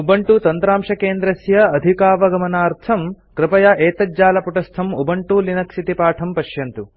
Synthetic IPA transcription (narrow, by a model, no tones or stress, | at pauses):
ubɐɳʈut̪ɐnt̪ɾaːmʂɐkeːnd̪ɾɐsjɐːd̪ʱikaːʋɐɡɐmɐnaːɾt̪ʰɐm | kɾɪpɐjɐʔeːt̪ɐd͡ʒaːlɐpuʈɐst̪ʰɐmubɐɳʈulinɐkʃit̪ipaːʈʰɐmpɐʃjɐnt̪u